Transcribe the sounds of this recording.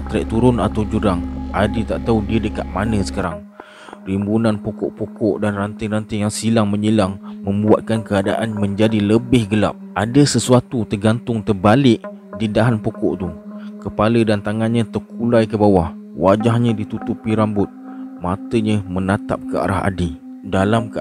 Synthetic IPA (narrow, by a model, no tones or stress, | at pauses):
t̪ɾɛʔ̚t̪uɾʊnat̪awd͡ʒuɾaŋadət̪aʔt̪audiədəkat̪̚manə̃sə̥kaɾaŋ | rimbunãnpokɔ̰ʔpokɔʔdanrant̪ɪrant̪əjaŋsilaŋmə̃ɲilaŋmə̃mbuat̪̚kankəada̰ʔanmə̃ɲd͡ʒadiləbɪhɡəla̰p̚ʔadəsəsuat̪ut̪ərɡant̪ʊŋt̪ərbalɪʔ | didaɦanpokɔʔt̪ukəpalədant̪aŋanɲə̃t̪ərkulajkəbawah | wad͡ʒahɲə̃dit̪ut̪upiɾambʊt̪̚ | mat̪əɲə̃mənat̪a̰p̚kəa̰ɾa̰ɦa̰di | dalamk